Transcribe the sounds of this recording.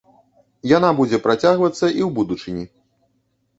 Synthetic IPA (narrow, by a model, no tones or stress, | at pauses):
janabud͡zʲɛpɾat͡sʲaɣvɐt̪sːɐʔiwbud̪ut͡ʂɨnʲi